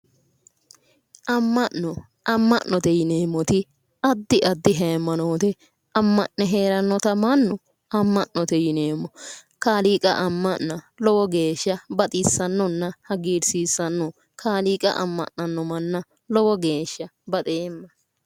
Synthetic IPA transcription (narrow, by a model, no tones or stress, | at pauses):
ʔɐmːɐʔnɔ | ʔɐmːɐ̰ʔnːɔt̪ɛjɪne̞ːmːɔt̪ɪ | ɐd̪ːɪʔɐd̪ːɪɦɛmːɐnoːt̪ɛ | ɐmːɐʔnːɛɦe̞ːɾɐnːɔt̪ɐmɐnːɔ | ɐmːɐʔnɔt̪ɛjɪneːmːɔkaːliːkʼɐ̰ʔɐmːɐnːɐ | lɔwɔɡe̞ːʃːɐbɐt̪ʼɪsːɐnːɔnːɐhɐɡiːɾsiːsːɐnːɔ | kʰaːliːkʼɐ̰ʔɐ̰mːɐ̰ʔnɐnːɔmɐnːɐ | lɔwɔɡe̞ːʃːɐbɐt̪ʼeːmːɐ